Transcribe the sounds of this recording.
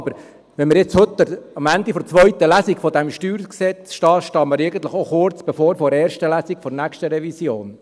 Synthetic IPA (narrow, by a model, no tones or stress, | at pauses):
bəɾ | ʋɛnməɾjɪt͡shɵt̪ːəɑmænd̪ifɔɾt͡sʋœɥt̪əlæsikfɔd̪æmʃtyːɾksɛt͡sʃtɑːʃtɑməɾeɡən̩t̪ləχoχʊɾt͡sb̥ɛfoːɾfɔɾɛːɾʃtəlæsikfɔɾnækʃtəɾɛvisjoːn